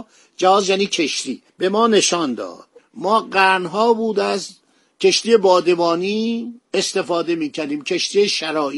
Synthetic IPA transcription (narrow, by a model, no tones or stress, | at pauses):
d͡ʒæhɒːzjæːniːcʰeʃt̪iːb̥e̞mɒːne̞ʃɒːnd̪ɒ̰ːd̪̥mɒːɢæɾnɦɒːbuːd̪æst̪ | cʲʰe̞ʃt̪ijebɒːd̪e̞vɒːniːest̪e̞fɒːd̪e̞miːcʰæɾd̪iːmcʰe̞ʃt̪ijeʃæɾɒː